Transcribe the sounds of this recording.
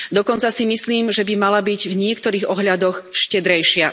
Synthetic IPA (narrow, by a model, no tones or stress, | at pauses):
d̪ɔkɔnt͡sasimisliːmʒɛbimalabiɟvɲɪɛkt̪ɔɾiːɣɔɦʎad̪ɔxʃcɛd̪ɾɛjʃɪa